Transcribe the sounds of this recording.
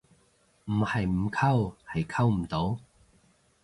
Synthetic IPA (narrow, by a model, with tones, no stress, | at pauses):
m̩˨˩ha˨˩jm̩˨˩kʰa˥˧wha˨˩jkʰa˥˩wm̩˨˩t̪o˧˥w